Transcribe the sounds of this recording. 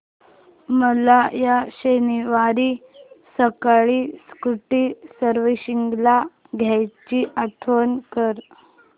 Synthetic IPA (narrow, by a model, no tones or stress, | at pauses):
məlajaɕeniʋaɾiːsəkaɭiskuʈiːsəɾʋiɕiŋɡla | ɡʱjajt͡ɕiːʔat̪ʰʋənkəɾ